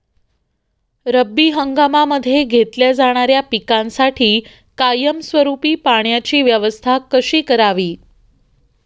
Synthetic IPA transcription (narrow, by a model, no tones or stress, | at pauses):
ɾəbːiːɦəŋɡamaməd̪ʱːjeɡʱet̪ljad͡zaɽ̃aɾjapikãnsaʈʰiː | kajəmsʋəɾupiːpaɽjat͡ɕiːʋjəʋəst̪ʰakəɕiːkəɾaʋiː